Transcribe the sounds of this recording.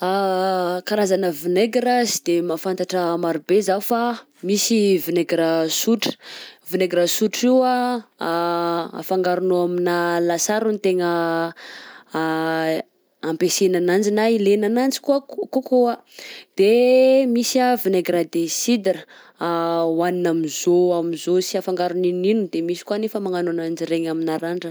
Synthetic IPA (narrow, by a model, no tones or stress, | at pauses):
akaɾazanəvineɡiɾazid̪̥emafant̪aʈ͡ʂəmaɾubezaufa | misivineɡɾasuʈ͡ʂə̥vineɡɾasuʈ͡ʂiwa | a̰faŋɡaɾunoaminalasaɾunit̪eŋə | ampesenanand͡ʒinailenanand͡zi̥kuakukoa | d̪̥emisavineɡɾad̪esid̪aɾə | awaninamizoamizosiafaŋɡaɾunininud̪emisi̥kuanefəmaŋanonand͡ʒiɾeɲaminaɾaɳɖ͡ʐə